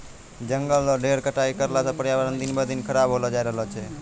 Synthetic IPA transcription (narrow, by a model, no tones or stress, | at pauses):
d͡ʒəŋɡəlːoɖeɾkəʈaikəɾlasapəɽjaʋəɾənd̪inbəd̪inkʰəɾabɦolod͡ʒajɾəɦlot͡ʃʰe